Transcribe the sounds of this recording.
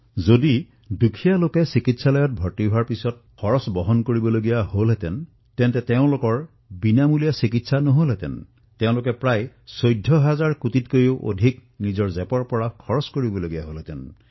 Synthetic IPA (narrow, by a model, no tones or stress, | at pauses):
zodi | dukʰijalokesikitsalɔjɔt̚bʱɔtibʱaɹpisɔt̚kʰɔɹɔsbɔɦɔnkoɹibɔloɡijaholɦɛtɛn | tɛntɛteʊ̃lokɔɹ | binamulijasikitsanɔɦolɦɛt̪ɛ̰n | teʊ̃lokepɹaj | sojdʱːɔɦazaɹkutit̚kojoʔo̰dʱiknizɔɹzepɔɹpɔɹakʰɔɹɔskoɹibɔloɡijaɦolɛtɛn